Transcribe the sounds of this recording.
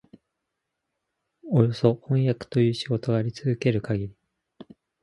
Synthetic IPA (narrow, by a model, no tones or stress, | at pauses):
o̞jo̞so̞hõ̞ɰ̃jakɯ̥t̪o̞jɯ̟ːɕiɡo̞t̪o̞ɡaɾʲit͡sɨzɨke̞ɾɯ̟kaɡʲiɾʲi